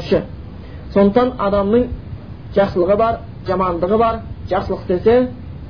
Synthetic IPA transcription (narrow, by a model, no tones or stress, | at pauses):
ʃɪ | so̞nd̪əqt̪ɑnɑ̰d̪ɑmnəɴ | ʒ̥ɑqsəlˠəʁəbɑɾ | ʒɑmɑnd̪əʁəbɑɾʒ̥ɑqsəlˠəqsese